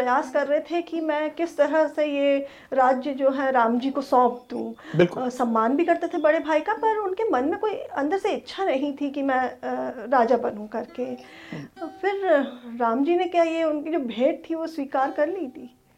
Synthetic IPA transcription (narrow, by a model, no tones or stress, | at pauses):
pɾɐjaːskɐɾːəɦet̪ʰekimɛ̃ːkɪst̪ɐɾəseje | ɾaːd͡ʒjəd͡ʒoːɦɛ̃ɾãːmd͡ʒiːkosɔ̃ːp̚ʰd̪ṵ̃bɪlksɐmːaːnbʱikɐɾt̪et̪ʰebɐɽebʱaːikapɐɾʊnkemɐnmẽkoːiɐ̃nd̪əɾseɪtːʃʰanɐɦĩt̪ʰikimɛ̃ɾaːd͡ʒabɐnɦũkɐɾke | fɪɾɾaːmd͡ʒiːnekjajeʊnkid͡ʒoːbʱeːʈ̚t̪ʰiʋoswiːkaːɾkɐɾliːt̪ʰiː